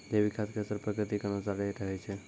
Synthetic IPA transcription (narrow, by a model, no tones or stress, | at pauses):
d͡ʒeʋikʰaskesəɾpɾəkɾɨt̪ikənosaleɾəɦet͡ʃʰe